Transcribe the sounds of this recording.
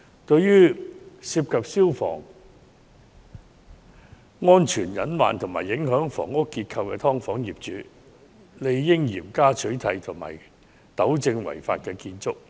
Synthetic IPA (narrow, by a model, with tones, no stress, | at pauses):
t̪ɵ˧ɥjyː˥siː˧p̚kʰɐ˨p̚siː˥wfɔ̰ː˨˩ŋ | ŋɔː˥nt͡ʃʰyː˨˩njɐ˨˥nwa̰ː˨nt̪ʰʊ˨˩ŋmaː˨˩jːɪ˨˥ŋɦœː˨˥ŋfɔ̰ː˨˩ŋʊ˥kːiː˧t̚kʰɐ˧wkɛː˧t̪ʰɔː˥ŋfɔː˨˥ŋjiː˨˩p̚t͡ʃyː˨˥ | le˨˧jːɪ˥ŋjiː˨˩mkaː˥t͡ʃʰɵ˨˥ɥt̪ʰɐ˧jt̪ʰʊ˨˩ŋma̰ː˨˩j | t̪ɐ˨˥wt͡sɪ˧ŋwɐ̰˨˩jfa̰ː˧t̚kɛː˧kiː˧nt͡sʊ˥k̚